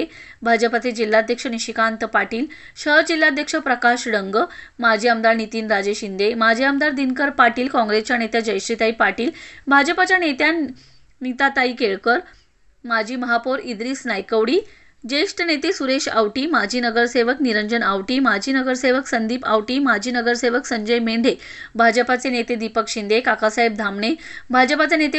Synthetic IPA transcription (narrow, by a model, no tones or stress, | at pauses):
ebʱad͡ʑəpat̪ʰed͡ʑilːad̪ʱjəkʂəniɕikant̪paʈiːl | ɕəd͡ʑilːad̪ʱjəkʂəpɾəkaɕɽəŋɡəmad͡ʑʱeəmd̪aɾnit̪iːnɾad͡ʑeɕind̪emad͡ʑʱeəmd̪aɾd̪inkəɾpaʈiːlkɔ̃ŋɡɾest͡ɕjanet̪jad͡ʑəjʂʈɾit̪aiːpaʈiːlbʱad͡ʑəpat͡ɕjanet̪jan | nit̪at̪aiːkeɭkəɾ | mad͡ʑʱiːməɦapoɾid̪ɾiːsnajkəʋɽiː | d͡ʑeʂʈənet̪esuɾeɕa̰ʋʈiːmad͡ʑʱiːnəɡəɾseʋəkniɾəɲd͡ʑənaʋʈiːmad͡ʑʱiːnəɡəɾseʋəksənd̪ʱiːpaʋʈiːmad͡ʑʱiːnəɡəɾseʋəksəɲd͡ʑəjmeɳɖʱe | bʱad͡ʑəpat͡senet̪ed̪ipəkɕind̪ekakasaɦeb̚d̪ʱamɳebʱad͡ʑəpat͡senet̪e